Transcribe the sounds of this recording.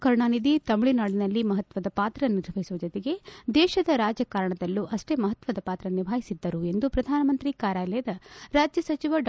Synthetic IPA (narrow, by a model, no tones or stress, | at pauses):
kɐɾɳaːnid̪it̪ɐmɭinaːɽinɐlːimɐɦɐt̪ʋɐd̪ɐpaːt̪ɾɐniɾʋɐɦisuʋɐd͡ʒot̪ɛɡe̞d̪ɛːʃɐd̪ɐɾaːd͡ʒjɐkaːɾɐɳɐd̪ɐlːuʔɐʂʈe̞ːmɐɦɐt̪ʋɐd̪ɐpaːt̪ɾɐniʋʱaːɦisid̪ːɐɾue̞nd̪upɾɐd̪ʱaːnɐmɐnt̪ɾikaːɾaːjlɐjɐd̪ɐɾaːd͡ʒjɐsɐt͡ʃiʋɐɖ